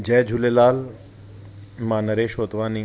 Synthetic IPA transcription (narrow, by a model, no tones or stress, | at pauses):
d͡ʑɛːd͡ʒʱulelaːl | maːnɐɾeːʃoːt̪ʋaːni